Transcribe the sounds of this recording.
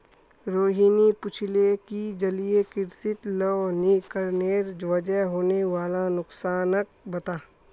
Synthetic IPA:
ɾoːɦiːnipʊt͡ʃʰlekid͡ʒəliekɪɾsɪt̪lɔːnikəɾneːɾd͡ʒʋəd͡ʒəɦɦoːneʋaːlanʊksaːnək̚ | bɐt̪aː

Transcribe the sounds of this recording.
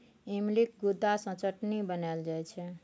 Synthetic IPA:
imlik̚ɡud̪ːasə̃t͡ʃəʈnibənald͡ʒajt͡ʃʰɛ

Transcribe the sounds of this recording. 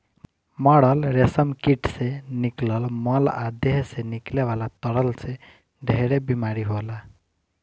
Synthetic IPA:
mɔɽʌlɾesəmkiʈseniklɔlmɔlad̪jeɦsenikleʋalat̪ɔɽʌlse | ɖʱeɾebimaɾiɦola

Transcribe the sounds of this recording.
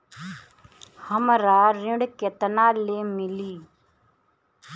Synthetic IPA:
həmɾaɾɪ̃ɽket̪ənaːlemɪliː

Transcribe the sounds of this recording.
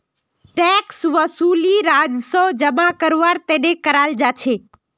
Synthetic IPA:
ʈɛksʋəsuliɾad͡ʒsɔd͡ʒəmakəɾʋaɾt̪enekəɾald͡ʒat͡ʃʰe

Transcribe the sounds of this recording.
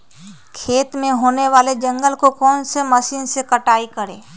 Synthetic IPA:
kʰeːt̪mẽɦoːneʋaːled͡ʒɐ̃ŋɡəlkokɔːnsemɐʃiːnsekəʈaːikəɾḛː

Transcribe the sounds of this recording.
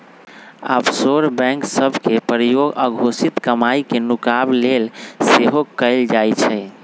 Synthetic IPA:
a̰bsoɾbɛ̃ŋksəbʱkepɾijoɡəɡʱosit̪kəmaikenukablelseɦokəɪld͡ʒajt͡ʃʰɛ

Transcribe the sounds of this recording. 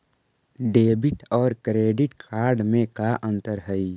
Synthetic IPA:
ɖeːbɪʈɔːɾkɾeːɖɪʈkʰaːɾɖmẽkaʔə̃nt̪əɾɦəi

